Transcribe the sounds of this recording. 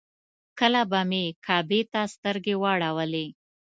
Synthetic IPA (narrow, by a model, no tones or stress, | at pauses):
kəlabamekʰɑbet̪ast̪əɾɡewɑɽawəle